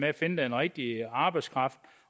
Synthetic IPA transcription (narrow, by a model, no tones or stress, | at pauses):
meæfe̝nəd̥ænʁɛɡ̥̚d̥iɑ̈ːb̥ɑ̈ɪ̥skʰʁɑ̈fd̥